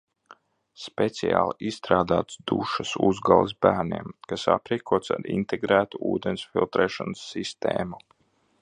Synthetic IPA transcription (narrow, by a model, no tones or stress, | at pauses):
spet̪sija̰ːlˠiʔisːt̪ɾaːd̪aːt̪sd̪uʃasuzɡalˠs̬bæːɾniɛmkasa̰pɾiɛkʰuɔt̪saɾḭnt̪ʰeɡɾæːt̪uuːd̪ensfilˠt̪ɾɛːʃɔnsːist̪ḛːmu